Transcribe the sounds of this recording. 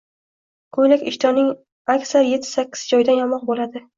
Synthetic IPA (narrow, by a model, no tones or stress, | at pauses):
kʰɵlɪkʲɪʃt̪ʰɒnɪŋ | akʲsaɾje̞t̪ʰːɪ̥sakʲʰːɪ̥zd͡ʒɒjd̪anjɒmɒq̚bolad̪ɪ